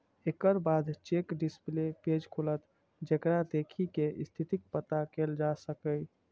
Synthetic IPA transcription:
ekəɾbad̪ʱt͡ʃekɖispleped͡ʒkʰolət̪ | d͡ʒekɾad̪ekʰikeʔist̪ʰit̪ik̚pət̪akeld͡ʒasəkəj

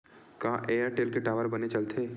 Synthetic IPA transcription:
kãːʔeːjəɾʈeːlkeʈaːʋəɾbɐnet͡ʃɐlt̪ʰeː

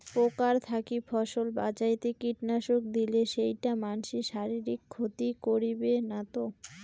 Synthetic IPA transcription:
pokaɾt̪ʰakifʰɔʃolba̰t͡ɕajt̪ekiʈnaʃok̚d̪ileʃejʈamanʃiʃaɾiɾikʰːot̪ikoɾibenat̪o

